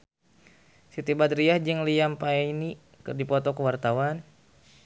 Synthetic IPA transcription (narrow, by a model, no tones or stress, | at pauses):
sit̪ibad̪ɾiahd͡ʒɨŋliampani | kɨrdipɔt̪ɔkəwart̪awan